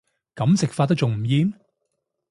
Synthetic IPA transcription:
kɐ˨˥msɪ˨k̚faː˧t̪̬̚ɐ˥k̚t͡ʃʊ˨˩ŋm̩˨˩jiː˧n

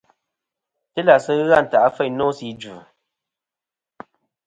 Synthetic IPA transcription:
tɨ˦la˨sɨ˦ɣa˦˨n̩˨ta˨ʔa˦fɛ˦˨nɔ˦si˦d͡ʒu˨

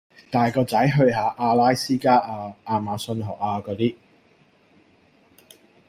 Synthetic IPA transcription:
t̪aː˨jkɔː˧t͡sɐ˨˥jɦɵ˧ɥɦaː˨˧ʔaː˧laː˥jsiː˥kaː˥ʔaː˧aː˧maː˨˧sɵ˧nɦɔ̰ː˨˩k̚aː˧kɔː˨˧t̪iː˥

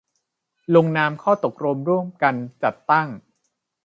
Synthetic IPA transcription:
lo˧ŋnaː˧mkʰɔː˥˩t̪o˨˩k̚ɾo˧mɾu˥˩əmka˧nt͡ɕa˨˩t̪ːa˥˩ŋ

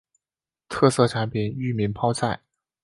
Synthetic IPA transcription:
t̪ʰɤ˥˧sɤ˥˩ʈ͡ʂʰa˧˥npʰi˨˩˦ny˥˩mi˧˥ŋpʰɑ˥ʊt͡sʰa˥˩ɪ

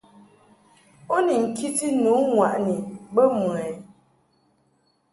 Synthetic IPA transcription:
o˦ni˨ŋ̩˨kʰi˦ti˦nu˨˦ŋwa˨ʔni˨bə˦m˨ɛ˨

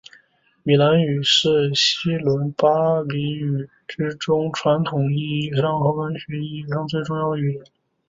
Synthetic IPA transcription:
mi˨˩la˧˥ny˨˩ʂɻ̩˥˩ɕi˥lwə˧˥npa˥li˧˥y˨˩ | ʈ͡ʂɻ̩˥ʈ͡ʂʊ˥ŋʈ͡ʂʰwa˧˥nt̪ʰʊ˨˩ŋi˥˩˥ɑ˥˩ŋxɑ˧˥fə˥nɕɥɛ˧˥i˥˩e˧˥ɑ˥˧ŋt͡swe˥˧ɪʈ͡ʂʊ˥˧ŋjɑ˥˧ʊə˧y˨˩ɻə˨˩˦n

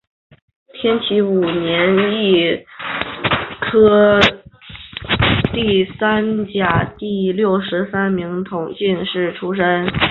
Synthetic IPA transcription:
t̪ʰjɛ˥nt͡ɕʰi˧˥u˨˩njɛ˧˥ni˥˩ | kʰɤ˥ | t̪i˥˩sa˥nt͡ɕja˨˩t̪i˥˧ljo˥˩ʊʂɻ̩˧˥sa˥nmi˧˥ŋt̪ʰʊ˧˩ŋɕi˥˧nʂɻ̩˥˩ʈ͡ʂʰu˥ʂə˥n

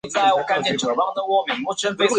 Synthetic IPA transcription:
t͡sa˥˩ɪwɔ˨˩ka˥˧ɪnt͡ɕjɛ˥˩nʈ͡ʂɤ˨˩pɑ˥˩ŋd̪ə˨wɔ˥˩mi˨˩ŋmu˥˩ʈ͡ʂʰə˥nfe˥ɪs

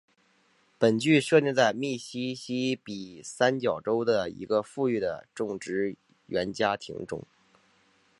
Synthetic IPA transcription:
pə˨˩nt͡ɕy˥˩ʂɤ˥˧t̪i˥˧t͡sa˥˧ɪmi˥˩ɕi˥ɕi˥pi˨˩sa˥nt͡ɕjɑ˨˩ʊʈ͡ʂo˥ʊd̪ə˨ḭ˧˥ɡə˧fu˥˧y˥˩d̪ə̰˩ʈ͡ʂʊ˥˩ŋʈ͡ʂɻ̩˧˥ | ɥɛ˧˥nt͡ɕja˥t̪ʰḭ˧˥ŋʈ͡ʂʊ̰˥˩˦ŋ

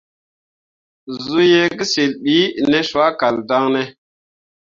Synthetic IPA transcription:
zu˦je˦ɡi˦si˨lɓi˨˦ne˦su˨˦a˦ka˨lda˦ŋne˦

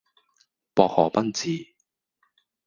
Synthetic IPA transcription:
pɔː˧k̚hɔː˨˩pɐ˥nt͡siː˨˧

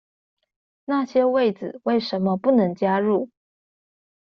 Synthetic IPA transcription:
na˥˩ɕjɛ˥we˥˩ɪd͡zɹ̩˨˩we˥˩ɪʂə˨˧˥nmə˧pu˥˩nɤ˧˥ŋt͡ɕja˥ɻu˥˩

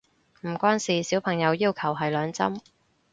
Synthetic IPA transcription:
m̩˨˩kʷwaː˥nsiː˨˩siː˨˥wpʰɐ˨˩ŋjɐ˨˧wjiː˥wkʰɐ˨˩wɦɐ˨jlœː˨˧ŋt͡sɐ̰˥m

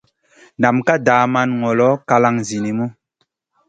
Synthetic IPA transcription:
na˨mka˦daː˨˦ma˦nŋɔ˨lɔ˨˦ka˦la˦ŋzi˨ni˨mu˦

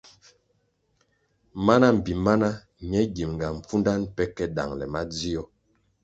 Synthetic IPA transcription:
ma˦na˦m̩˨bi˨ma˦na˦ | ɲɛ˦ɡi˨mŋɡa˨ɱ̩˨fu˦nda˦npɛ˦kɛ˦da̰˨ŋlɛ˨ma˦d͡zi˦ɔ˦

